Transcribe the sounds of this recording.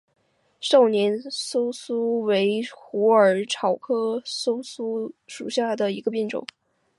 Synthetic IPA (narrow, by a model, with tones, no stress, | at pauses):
ʂɑ˥˩ʊnjɛ˧˥nso˥ʊsu˥we˧˥ɪxu˧˥ə˞˨˩ʈ͡ʂʰɑ˨˩ʊkʰɤ˥so˥ʊsu˥ʂu˨˩ɕja˥˩d̪ə˩i˧˥ɡə˧pjɛ˥˩nʈ͡ʂʊ̰˨˩˦